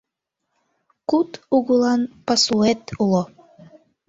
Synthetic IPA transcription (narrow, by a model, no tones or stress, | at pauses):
kut̪uɣulɑnpɑsluet̪ulˠo